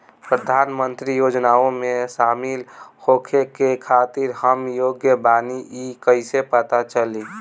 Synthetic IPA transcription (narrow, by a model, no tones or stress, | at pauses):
pɾəd̪ʱaːnmənt̪ɾijoːd͡ʒnaõmẽsaːmilhokʰekekʰat̪iɾɦəmjoɡjəbaniʔikəɪsepət̪at͡ʃəli